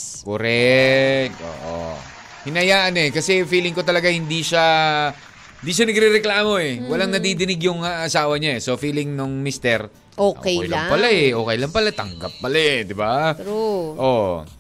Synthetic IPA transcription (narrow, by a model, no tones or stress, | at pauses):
koɾɛkt̪ʔo̰ːʔo̰ | hɪnɐjaːʔɐnɛkɐsɛfiːlɪŋkot̪ɐlɐɡahɪnd̪iʃa | hɪnd̪iːʃanɐɡɾiɾɛklaːmo̞ɛwɐlaŋnɐd̪id̪ɪnɪɡjʊŋaʔːsaːwɐɲaʔɛso̞fiːlɪŋnʊŋmist̪ɛɾ | ʔoːʔo̰kɛjɛjlaŋpɐlaɛʔo̞ːkɛjlɐŋpɐlat̪ɐ̰ŋɡa̰p̚ːɐlad̪ɪba | ʔo